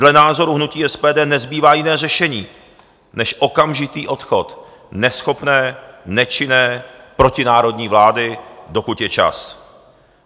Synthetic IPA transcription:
dlɛnaːzo̞ɾuɦnuciːʔɛspɛːdɛːnɛzbiːvaːjɪnɛːrɛʃɛɲiː | nɛʃʔokamʒɪt̪iːʔo̞t̪xot̪ | nɛsxo̞pnɛːnɛt͡ʃɪnɛːpɾo̞cɪnaːɾo̞dɲiːvlaːdɪdo̞kut̪jɛt͡ʃa̰s

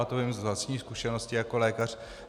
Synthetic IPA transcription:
at̪oɪmzvlascɲiːskuʃɛnoscɪjako̞lɛːkar̝̥

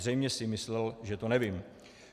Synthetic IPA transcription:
rɛjmɲɛsɪmɪslɛlʒɛt̪onɛvɪm

